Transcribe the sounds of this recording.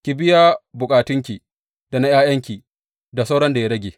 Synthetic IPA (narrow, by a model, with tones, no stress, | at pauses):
kʲi˨bɪ˦jaː˦bʊ˨kʼaː˨tʊ˦ŋk̬ʲi˨ | da˨na˦j̰aː˦j̰ɐ˦ŋkʲi˨ | da˨sa˦wɽɐ˦nda˨ja˦ɐ˦ɡʲeː˨